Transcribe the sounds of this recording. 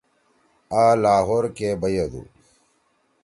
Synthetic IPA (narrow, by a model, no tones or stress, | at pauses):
aːlaːɦoːɾkebɐjɐd̪ṵ